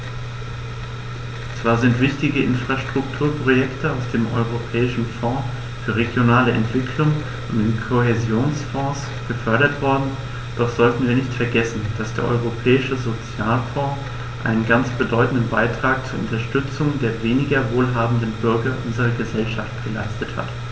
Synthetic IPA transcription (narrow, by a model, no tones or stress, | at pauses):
t͡sv̥aːɐzɪntv̥ɪçtɪɡəʔɪnfʁ̥aʃtʁ̥ʊktʰuːɐpʁ̥ojɛktʰəaʊsd̥eːmʔɔ̰ʏʁopʰɛːɪʃn̩fɔ̃ː | fyːɐʁeɡjonaːləɛ̰ntv̥ɪkʰlʊŋ | ʔʊntdɪnkʰoɦezjoːnsfɔ̃ːs | ɡ̥əfœɐɾɐtv̥ɔɐdn̩ | d̥ɔχz̥ɔltn̩viːɐnɪçtfɛɐɡɛsn̩d̥asd̥eːɐʔɔ̰ʏʁopʰɛːɪʃəzot͡sjaːlfɔ̃ː | ʔa̰ɪnənɡant͡sb̥ədɔʏtn̩dən̩baɪtʁ̥aːk̚t͡suːɐʔʊ̰ntɐʃtʏt͡sʊŋdeːɐveːnɪɡɐvoːlɦaːbm̩dən̩bʏɐɡɐʔʊnzəʁɐɡəzɛlʃaftɡ̥əla̰ɪstətha̰t